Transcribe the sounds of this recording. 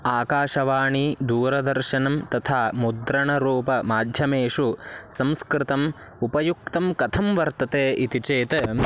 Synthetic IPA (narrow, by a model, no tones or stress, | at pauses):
aːkaːʃɐʋaːɳid̪uːɾɐd̪ɐɾʃɐnɐmt̪ɐt̪ʰaːmud̪ɾɐɳɐɾuːpɐmaːd̪ʱjɐmeːʂusɐmskɾɪt̪ɐm | upɐjuk̚t̪ɐmkɐt̪ʰɐmʋɐɾt̪ɐt̪eːʔit̪it͡ʃeːt̪ɐ